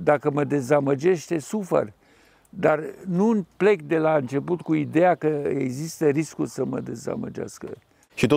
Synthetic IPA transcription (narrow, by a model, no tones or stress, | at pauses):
d̪akəməd̪e̞zaməd͡ʒe̞ʃt̪e̞sufə̰r | d̪arnunple̞k̚d̪e̞laɨnt͡ʃe̞put̪kuid̪e̞jakəeɡzist̪əɾiskulsəmə̰d̪e̞za̰mə̰d͡ʒa̰skə̰ | ʃit̪o